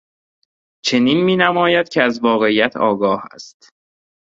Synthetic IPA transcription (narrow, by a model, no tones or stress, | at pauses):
t͡ʃʰe̞niːnmiːnæmɒːjæd̪̥̚cʰeæzvɒːɣe̞ijæt̪ʰɒːɡɒːhæ̰st̪